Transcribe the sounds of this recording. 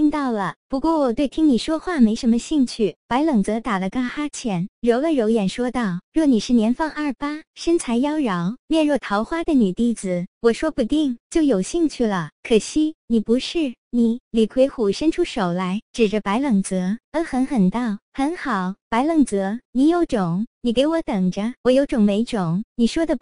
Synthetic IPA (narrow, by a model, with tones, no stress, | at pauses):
i˥ŋt̪ɑ˥˩ʊlə˩pu˧˥kwɔ˥˩wɔ˨˩t̪we˥˩ɪtʰi˥ŋni˨˩ʂwɔ˥xwa˥˩me˧˥ɪʂə˧˥nmə˧ɕi˥˧ŋt͡ɕʰy˥˩pa˧˥ɪlɤ˨˩ŋt͡sɤ˧˥t̪a˨˩lə˦ka˥˩xa˥t͡ɕʰjɛ˧˥nɻo˧˥ʊlə˧ɻo˧˥ʊjɛ˨˩nʂwɔ˥t̪ɑ˥˩ʊɻwɔ˥˩ni˨˩ʂɻ̩˥˩njɛ˧˥nfɑ˥˧ŋɐ˞˥˩pa˥ʂə˥nt͡sʰa˧˥ɪjɑ˥ʊɻɑ˧˥ʊljɛ˥˧nɻwɔ˥˩t̪ʰɑ˧˥ʊxwa˥d̪ə˨ny˨˩t̪i˥˩d͡zɹ̩˨˩wɔ˨˩ʂwɔ˥pu˧˥t̪i˥˩ŋt͡ɕjo˥˩ʊjo˨˩ʊɕi˥˧ŋt͡ɕʰy˥˩lə˩kʰɤ˨˩ɕi˥˩ni˨˩pu˧˥ʂɻ̩˥˩ | ni˨˩li˨˩kʰwe˧˥ɪxu˨˩ʂə˥nʈ͡ʂʰu˥ʂo˨˩ʊla˧˥ɪʈ͡ʂɻ̩˨˩ʈ͡ʂə˦pa˧˥ɪlɤ˨˩ŋt͡sɤ˧˥ə˧˥xə˧˥nxə˨˩nt̪ɑ˥˩ʊxə˧˥nxɑ˨˩˦ʊpa˧˥ɪlɤ˨˩ŋt͡sɤ˧˥ni˧˥jo˧˥ʊʈ͡ʂʊ˨˩˦ŋni˨˩ke˧˥ɪwɔ˧˥t̪ɤ˨˩ŋʈ͡ʂə˦wɔ˨˩jo˧˥ʊʈ͡ʂʊ˨˩ŋme˧˥ɪʈ͡ʂʊ˨˩˦ŋni˨˩ʂwɔ˥d̪ə˨